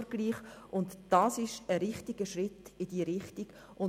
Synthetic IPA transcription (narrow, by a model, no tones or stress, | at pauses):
ɡ̥liːχʔʊntd̥ɑːsɪʃəɾɪχtiɡəʃrɪtɪd̥iːɾɪχtiɡ̥ | ʔʊn